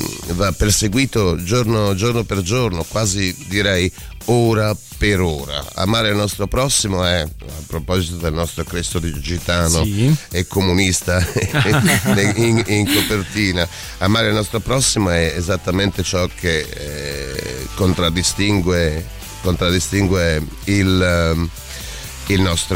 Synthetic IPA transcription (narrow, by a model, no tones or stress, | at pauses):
vapːerseɡwiːt̪od͡ʒoɾnod͡ʒornoperd͡ʒornokwaːzid̪iɾɛj | oːɾa | peɾoːɾa̰a̰maːɾeilnɔst̪ɾopɾɔsːimoɛapːɾopɔzit̪od̪elnɔst̪ɾokɾest̪od̪id͡ʒit̪aːnoekːomunist̪a | iiŋkopert̪iːna | amaːɾeilnɔst̪ɾopɾɔsːimoɛɛzat̪ːament̪et͡ʃɔkʰe | kːont̪ɾad̪ːist̪iŋɡwe | kont̪ɾad̪ːist̪iŋɡwe | il | ilnɔst̪ɾ